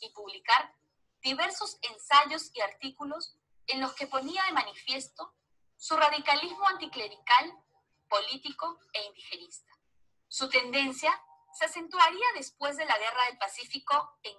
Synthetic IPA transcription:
ipuβlikaɾ | d̪̥iβe̞ɾso̞se̞nsaʝo̞siaɾt̪ikulo̞s | enlo̞ske̞po̞niaðe̞manifje̞st̪o̞ | suraðikalizmoant̪ikle̞ɾikal | po̞lit̪iko̞ | e̞ind̪ixenist̪ḁ | sut̪e̞nd̪e̞nsja | sease̞nt̪waɾiaðespwe̞zðe̞laɣ̞e̞raðe̞lpasifiko̞eŋ

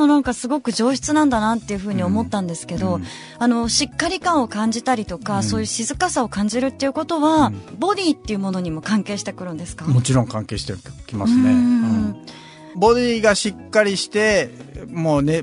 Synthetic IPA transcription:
monãŋkasɨɡo̞kɯ̟ʑo̞ːɕi̥t͡sɨnãnd̪anat̪ːe̞jɯ̟ɸɯ̟ːɲ̟io̞mo̞t̪ːãnd̪e̞sɨ̥ke̞d̪o̞ | ano̞ɕikːaɾʲikãɰ̃o̞kãɲ̟d͡ʑit̪aɾʲit̪o̞kaso̞ːjɯ̟ːɕizɨkasao̞kãɲ̟d͡ʑiɾɯ̟t̪ːeiɯ̟ko̞t̪o̞βabo̞d̪ʲiːt̪ːe̞iɯ̟mo̞no̞ɲ̟imo̞kãŋke̞ːɕi̥t̪ekɯ̟ɾɯ̟̃nd̪e̞sɨ̥kamo̞t͡ɕiɾõ̞ŋkãŋke̞ːɕi̥t̪ekʲimasɨ̃nẽ | bo̞d̪ʲiːɡaɕikːaɾʲiɕi̥t̪e̞moːne̞

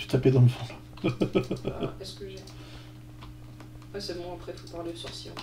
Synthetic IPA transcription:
y̥t̪aped̪ɑ̃məfɔ̃l | ɛskəʒɛ | wɛsɛmɔ̃apχɛt̪upaʁlesɔʁsiɔ̰̃

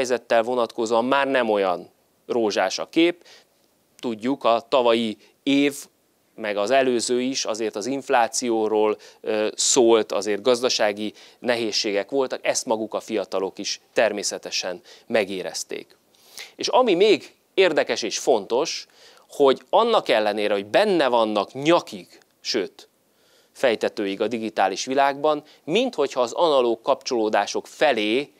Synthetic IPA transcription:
ɛjzɛt̪ːɛlvo̞nɒt̪ko̞zoːɒmːaːrnɛmo̞jɒn | roːʒaːʃɒ̰keːp | t̪uɟːukɒt̪ɒvɒji | eːv | mɛɡɒzɛløːzøːiʃɒzeːrt̪ɒziɱflaːt̪sijoːɾoːløsoːlt̪ɒ̰zeːrt̪ɡɒzd̪ɒʃaːɡinɛɦeːʃːeːɡɛkʋo̞lt̪ɒkɛst̪mɒɡukɒfijɒt̪ɒlo̞kiʃt̪ɛrmeːsɛt̪ɛʃɛnmɛɡeːɾɛ̰st̪ḛːk | eːʃɒmimeːɡ | eːrd̪ɛkɛʃeːʃfo̞nt̪o̞ʃ | ho̞ɟɒnːɒkɛlːɛneːɾɛɦo̞ɟbɛnːɛvɒnːɒkɲɒkik | ʃøːt̪ | fɛjt̪ɛt̪øːjiɡɒd̪iɡit̪aːliʃʋilaːɡbɒm | mint̪ho̞chɒːzɒnɒloːkːɒpt͡ʃo̞loːd̪aːʃo̞kfɛleː

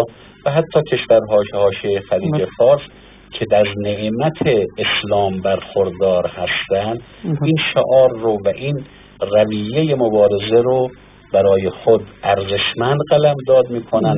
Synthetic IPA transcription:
væɦæt̪ʰːɒːcʲʰe̞ʃvæɾɦɒːʃehɒːʃiejexæliːd͡ʒefɒːɾs | kʰe̞d̪æzneʔmæt̪ʰeːslɒːmbæɾxoɾd̪ɒːɾhæst̪ænd̪ | inʃoʔɒːɾːovæʔiːn | ræviːjejemobɒːɾe̞zeɾo | bæɾɒːjexod̪ʔæɾzeʃmænd̪ɢælæmd̪ɒːd̪miːkʰonæn

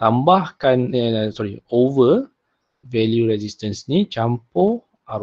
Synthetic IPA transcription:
t̪ãmbahkãnɛsɔɾiovə | vɛljuɹɛzistə̃nsnit͡ʃãmpo | aɾ

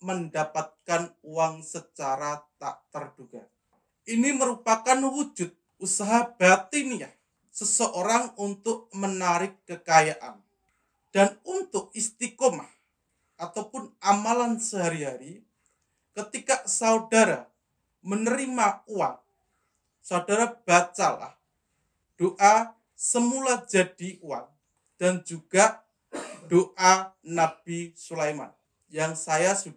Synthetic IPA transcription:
məndapat̪̚kanuwaŋsət͡ʃaɾat̪a̰ʔt̪ərd̥uɡa | ʔiniməɾupakanwud͡ʒʊt̪̚ | usaɦab̥at̪iniah | səsəʔoɾaŋunt̪ʊʔ̚mənaɾɪkːəkajaʔa̰n | d̥anunt̪ʊk̚ist̪ikɔmah | ʔat̪awpʊnamalansəɦaɾiɦaɾi | kət̪ikasaudaɾa | mənəɾimauat̪̚ | saudaɾab̥at͡ʃala̰h | d̥oʔa | səmulad͡ʒad̥iʔua̰n̚ | d̥and͡ʒuɡ̥a | d̥oʔanab̥isulajma̰n | jaŋsajasu

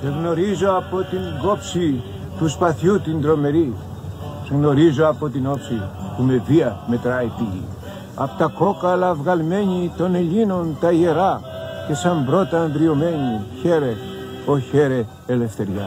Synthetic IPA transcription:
ðeɣno̞ɾizo̞ɐpo̞t̪iŋɡo̞psi | t̪uspɐθut̪ind̪ɾo̞me̞ɾi | ðeɣno̞ɾizoɐpo̞t̪ino̞psipume̞viɐme̞t̪ɾɐit̪ilḭ | ɐ̰po̥t̪ɐko̞kɐlɐvɣɐlme̞ɲit̪o̞ne̞ʎino̞nt̪ɐie̞ɾɐ | ce̞sɐmbɾo̞t̪ɐnðɾio̞me̞ɲiçe̞ɾe̞ | oçe̞ɾeː | le̞fθe̞ɾʝɐ̰

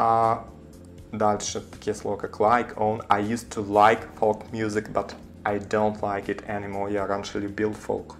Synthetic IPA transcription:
d̪alʃəkʰɪslokəkʰlaɪkʰõʊ̃naɪjʉstʰulaɪkfɔlˠkmjʉzɪkbʌt | ʔaɪdõʊ̃ntʰlaɪkɪtʰɛnɪmɔɹjəɾɛ̃nʃl̩ˠibɪlˠdfo̰lˠk

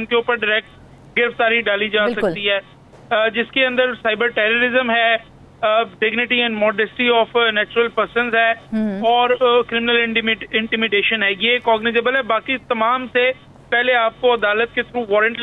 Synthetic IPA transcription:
nkeʊpəɾɖɪɾɛːk̚ʈ | ɡɪɾəft̪aːɾiɖaːlid͡ʒaːsɐkkt̪iɦɛː | d͡ʒɪskeə̃nd̪əɾsaːɪbəɾʈɛːɾoɾɪzəmɦɛː | ɖɪɡnɪʈiɛ̃ːɳɖmɔːɖɛsʈiɔːfnɛːt͡ʃʊɾəlpəɾsə̃nzɦɛːɔːɾkɾɪmɪnəlɪ̃ʈɪmɪɪ̃ɳʈɪmɪɖeːʃənɦɛːjiekɔːɡnɪzeːbəlɦɛbaːkit̪ɐmaːmse | pɛɦleaːp̚koɐd̪aːlət̪̚ket̪ʰɾuːʋɔːɾə̃ɳʈ

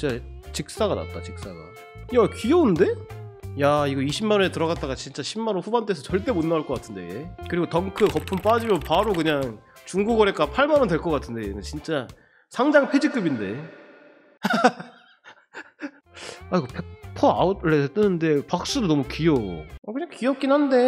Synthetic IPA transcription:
t͡ɕ͈at͡ɕik̚s͈aɡana̰t͈̚at͡ɕik̚s͈aɡa̰ | jakijonde̞jaiɡʌiɕʰimːanoetɯɾʌɡat͈̚aɣat͡ɕint͡ɕ͈aɕʰimːanonɸubant͈esʰʌt͡ɕʌɭt͈e̞monːaaɭk͈ʌk͈atʰɯnde̞je̞kɯɾiɡotʌŋkʰɯkʌpʰɯmp͈ad͡ʑimjʌnpaɾokɯɲaŋt͡ɕuŋɡuɡʌɾek͈apʰaɭmaɾʌndwe̞ɭk͈ʌk͈atʰɯnde̞jenɯnt͡ɕint͡ɕ͈a | sʰaŋd͡ʑaŋpʰe̞d͡ʑik͈ɯbinde̞̰ | aiɡopʰek̚pʰʌaoɭːet͈ɯnɯnde̞pak̚s͈udonʌmukijo̰akɯɲaŋkiʌp̚k͈inhande̞

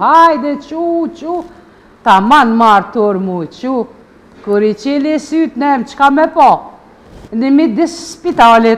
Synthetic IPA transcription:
hajd̪ɛt͡ʃut͡ʃu | t̪amanmaɾt̪uɾmut͡ʃu | kuɾit͡ʃilisyt̪nɛmt͡ʃkamɛpɔ | nimid̪isspit̪alɛ

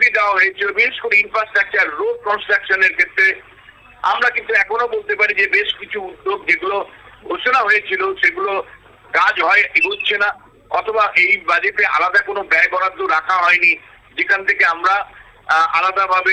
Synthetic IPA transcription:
bid̪aaɦoet͡ɕʰilobiʃeʃkoɾeinfɾasʈɾak̚t͡ɕaɾːoɖ̚kɔnsʈɾakʃoneɾkʰet̪ːɾe | a̰mɾakint̪uɛkʰonobolt̪epaɾid͡ʑebeʃkit͡ɕʰuud̪ːoɡ̚d͡ʑeɡuloɡʱoʃonaɦojet͡ɕʰiloʃeɡulo | kad͡ʑɦɔebolt͡ɕʰena | ɔt̪ʰobaʔejbad͡ʑeʈea̰lad̪akonobɛɾbɔɾad̪ːoɾakʰaɦɔeni | d͡ʑekʰant̪ʰekeamɾa | alad̪abʱabe

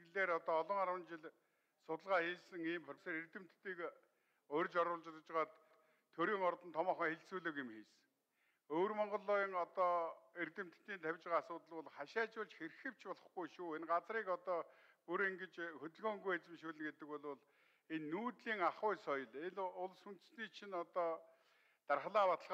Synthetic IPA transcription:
ɮeːɾɔt̪ɔːɮɞ̆ŋaɾwə̆nt͡ɕɪɮ | sʊt̪ə̆ɮʁaːxiːɮsɘ̆ŋiːmpʰɔseɾert̪ɘ̆m̥t̪ːiːk | ʊrʲt͡ɕɔɾʊɮt͡ɕɪt̪̆t͡ɕʁaːt̪ | t̪ʰːɵɾiːŋɔrt̪ə̆nt̪ʰɔmɔːχəːŋxeɮt͡suːɮŏːkɪmxiːs | oːrmɔɴɢɞ̆ɮʊːŋɔt̪ɔːert̪ɘ̆m̥t̪t̪ːiːnt̪ʰæwʲt͡ɕʁaːasʊːt̪ə̆ɮʊɮχaʃaːt͡ɕʊɮt͡ɕxerxɘ̆w̥t͡ɕpɔɮɞ̆χɡujʃuːenɢat͡sriːkɔt̪ɔː | puɾeŋɡĕt͡ɕxɵt̪ɘ̆ɮxɔːŋɡujet͡sɘ̆mʃuːɮɘ̆ŋɡet̪ɘ̆kwɔɮʊɮ | enːuːt̪ɮiːŋaχʊːjsɔjɞ̆ɮeɮʊɮsun̥t̪̆sniːt͡ɕʰinɔt̪ɔː | t̪arχɮaːpat̪ə̆ɮʁ

